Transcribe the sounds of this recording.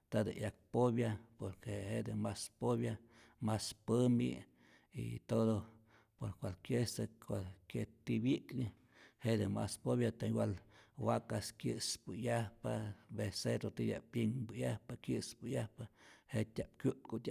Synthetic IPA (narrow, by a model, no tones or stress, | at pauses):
t̪ad̪ɨ̰ʔjak̚poβjapoɾkehed̪ɨmaspoβja | maspɨmḭ | ḭt̪od̪o | poɾkʷalkjesɨkʷalkʲet̪ibikli | hed̪ɨma̰spoβjat̪aɲwalwakaskjɨspɨjahpabeseɾot̪ijʲa̰pjiŋbɨjahpakjɨspɨjahpahet̪ʲap̚kʲjut̪̚kot̪ʲa